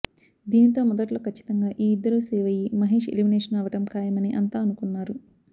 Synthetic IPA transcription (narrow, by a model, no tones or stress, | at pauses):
d̪iːnit̪o̞ːmɔd̪ɐʈlo̞ːkʰɐt͡ʃːi̥t̪ɐŋɡaːʔiːid̪ːɐɾuːsɛːʋɐjimɐɦeːʂḛlimineːʂɐnɐʋɐʈɐmkaːjɐmɐniʔɐnt̪aːɐnukunːaːɾu